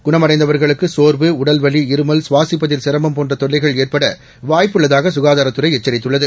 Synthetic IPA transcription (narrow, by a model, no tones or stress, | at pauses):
ɡ̥ʊɳɐmɐɽɐɪnd̪ɐʋɐɾɣɐɭɯkːɯsoːɾʋɯʊɽɐlʋɐɭiɪɾɯmɐlsʊʋaːsɪpːɐðɪlsɪɾɐmbɐmpoːndrɐt̪ɔɭːɐɪɣɐɭeːrpɐɽɐ | ʋaːjpːɯɭːɐðaːɣɐsʊɣaːðaːɾɐt̪ːɯɾɐɪɛt͡ʃːɐɾɪt̪ːɯɭːɐðɯ